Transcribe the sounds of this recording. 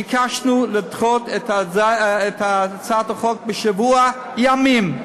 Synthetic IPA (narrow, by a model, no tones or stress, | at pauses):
ikʰaʃnulɪtχotetaetat͡sat̪aχok̚bəʃavua | jamim